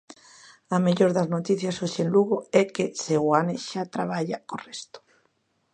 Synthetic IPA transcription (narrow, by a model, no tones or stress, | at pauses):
ameʎoɾðaznot̪iθjasoʃenluɣoɛkeseɣwaneʃat̪ɾaβaʎakorest̪o̥